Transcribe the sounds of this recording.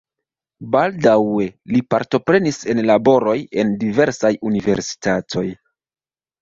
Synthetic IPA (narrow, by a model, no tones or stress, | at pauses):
baldawe̞lipaɾto̞pɾe̞nise̞nlabo̞ɾo̞je̞ndive̞ɾsajunive̞̰ɾsi̥tatʰo̞j